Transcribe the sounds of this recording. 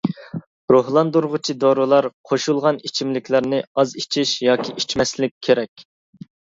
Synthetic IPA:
ɾohlˠɑnd̪uɾʁʊt͡ʃʰid̪oɾɨlˠɑɾqʰoʃulˠʁɑnit͡ʃʰimlɪkʲʰlɪɾnɪɑzit͡ʃʰiʃjɑːkʲʰiʔit͡ʃmɛslɪkʲʰːeɾɛkʲ

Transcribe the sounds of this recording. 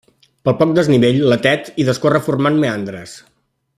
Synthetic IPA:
pəlˠpɔk̚d̪əzniβeʎlət̪ɛt̪iðəskorəfurmanmeand̪ɾəs

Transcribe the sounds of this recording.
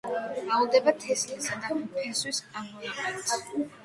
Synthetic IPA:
aulˠd̪ɛbat̪ʰɛslisad̪apʰɛswisamɔiɛt̪

